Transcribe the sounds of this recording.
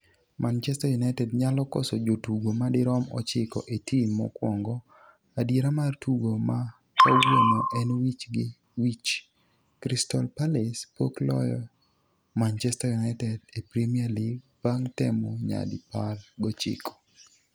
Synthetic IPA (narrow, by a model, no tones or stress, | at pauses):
mʔant͡ʃɛstajunaɪtɛdɲalɔkɔsɔd͡ʒotuɡomadɪɾɔmɔt͡ʃɪkɔʔetʰimɔ̰kwɔŋɡɔ | adeɾamartuɡoma | owonoʔɛnwit͡ʃɡɪ | wit͡ʃ | kɾistɔlpalɛspoklɔ̰jɔ̰ | mant͡ʃɛstajunaɪtɛdepɾimiarliɡ | paŋtɛmɔɲa̰dɪpalɡɔt͡ʃɪ̰kʰɔ̥